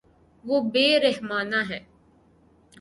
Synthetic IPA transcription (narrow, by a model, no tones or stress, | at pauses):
ʋobeːɾeɦmaːnaːɦɛː